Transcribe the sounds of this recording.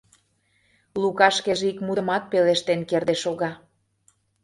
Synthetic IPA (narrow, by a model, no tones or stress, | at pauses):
lukɑʃkeʒeikmud̪əmɑt̪̚peleʃt̪enkerd̪eʃoɣɑ